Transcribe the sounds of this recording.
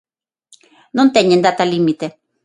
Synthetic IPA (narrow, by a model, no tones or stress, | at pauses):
nont̪ɛɲʲːend̪at̪alimit̪e